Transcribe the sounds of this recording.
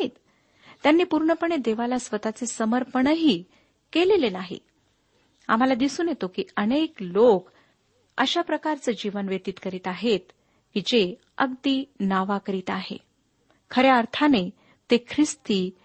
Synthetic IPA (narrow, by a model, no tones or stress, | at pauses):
it̪ | t̪ːjanːiːpuɾɳəpəɳed̪eʋalasʋət̪at͡sesəməɾpəɳəɦiː | kelelenaɦḭ | a̰m̤alad̪isuːnjet̪okiːəneklok | ə̰ɕapɾəkaɾt͡səːd͡ʑiʋənʋet̪iːt̪kəɾiːt̪aɦet̪ | kid͡ze | ə̰ɡd̪iːnaʋakəɾiːt̪aɦḛ | kʰəɾjeəɾt̪ʰane | t̪ekʰɾist̪iː